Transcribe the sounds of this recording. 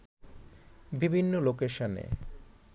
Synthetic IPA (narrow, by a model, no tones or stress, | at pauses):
bibʱinːolokeʃonḛ